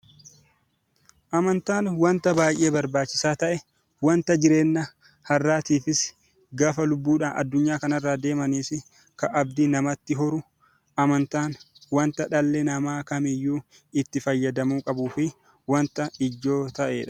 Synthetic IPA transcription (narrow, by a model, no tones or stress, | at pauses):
ʔɐmɐnt̪aːnwɐnt̪ɐbaːjʔe̞ːbɐɾbaːt͡ʃːɪsaːt̪ɐʔɛ | wɐnt̪ɐd͡ʒɪɾe̞ːnːɐ | hɐrːaːt̪iːfɪs | ɡaːfɐlʊbːuːᶑaːnɐ̰d̪ːʊɲːaːkɐnɐrːaːd̪e̞ːmɐniːsɪ | kɐʔɐb̚d̪inɐmɐt̪ːɪɦɔɾʊ | ʔɐmɐnt̪aːnwɐnt̪ɐᶑɐlːɛnɐmaːkɐmɪjːuː | ɪt̪ːɪfɐjːɐd̪ɐmuːkʼɐbuːfɪ | wɐnt̪ɐɪd͡ʒːo̞ːt̪ɐʔeːᶑɐ̥